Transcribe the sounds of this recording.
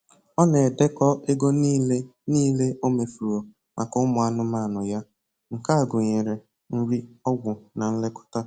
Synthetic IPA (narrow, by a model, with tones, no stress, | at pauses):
ɔ˦ne˨de˦kɔ˦ʔe˦ɡo˦ni˦le˦niː˦le˦o˦me˨fu˨ɾo˨ | mʔa˨kʊ˦ʊ˦mʊ˨a˨nʊ˦ma˦˨nʊ˨ja˦ | ŋ̩˨ka˦a˨ɡʊ˨ɲe˨ɾe˨ | ŋ̩˦ɾi˦ɔ˦ɡʷʊ˨na˨n̩˦le˦kʊ̥˦ta˦